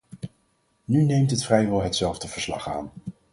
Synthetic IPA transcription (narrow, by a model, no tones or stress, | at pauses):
nynejmtɦətfrɛjʋɛlˠɦətsɛlˠvdəv̥əɹslɑ̰χa̰ːn